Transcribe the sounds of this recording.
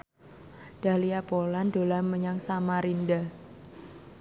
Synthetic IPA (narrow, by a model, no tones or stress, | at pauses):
d̥a̤liapolando̤laməɲaŋsamaɾinda